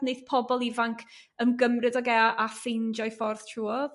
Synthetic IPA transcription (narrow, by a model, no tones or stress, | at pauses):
neɨðpʰɔbɔlˠivaŋkʰ | əmɡəmrɨdɔɡɛʔafejnd͡ʒɔjfɔrθtʰruːɔð